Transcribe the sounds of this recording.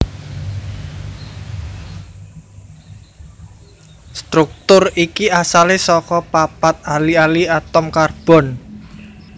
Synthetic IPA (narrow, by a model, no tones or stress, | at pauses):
st̪ɾuk̚t̪ʊrikiasalesɔkɔpapat̪̚alialiat̪ɔmkarb̥ɔ̤n